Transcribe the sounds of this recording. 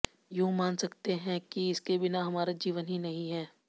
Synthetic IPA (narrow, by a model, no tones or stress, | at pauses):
joːmaːnsɐkt̪eɦɛ̃kiɪskebɪnaɦɐmaːɾad͡ʒiːʋənɦinɐɦĩɦɛː